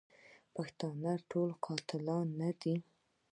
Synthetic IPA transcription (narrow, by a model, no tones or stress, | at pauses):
paxt̪ɑnəʈʰolqʰɑt̪ɪlɑnːad̪i